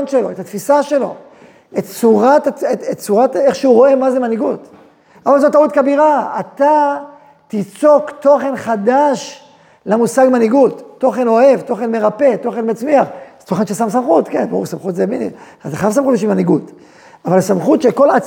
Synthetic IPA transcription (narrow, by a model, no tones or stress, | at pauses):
nʃelo̞et̪at̪fisaʃe̞lo̞̰ | et̪t͡suʁataetett͡suʁateχʃeuʁo̞e̞mazemaniɡut | avalzotaut̪kabiʁaat̪a | t̪it͡so̞kt̪o̞χe̞nχadaʃ | lamusaɡmaniɡutːo̞χe̞no̞e̞vto̞χe̞nme̞ʁape̞to̞χe̞nmat͡smiaχt̪o̞χenʃesamsamχut̪kenbousamχut̪zebiniataχavsamχut̪biʃimaniɡut | avalsamχut̪ʃeko̞la